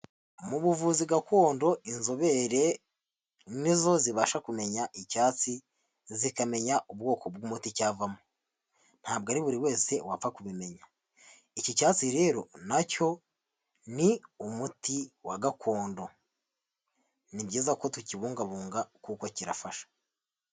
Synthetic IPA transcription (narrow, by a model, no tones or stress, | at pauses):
muβuvuːziɡako̞ːndo̞inzo̞βe̞ɾe̞ | nizo̞ziβaʃakume̞ɲaʔicaːt͡si | zikame̞ɲaʔubɡo̞ːko̞bɡumuticaːvamo | n̥haːb̚ɡaɾiβuɾiwe̞ːse̞wafakuβime̞ɲa | icicaːt͡siɾe̞ːɾo̞naco̞ | niumutiwaɡakʰo̞ːndo̞ | nibɟiːzako̞tuciβuːŋɡaβuːŋɡakukociɾa̰faʃḁ